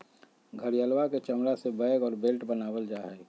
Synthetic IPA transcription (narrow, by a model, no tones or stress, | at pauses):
ɡʱəɾijaːlwaket͡ʃəmɾasebəjɡɔːɾbelʈbənaːwəld͡ʒaːɦɛː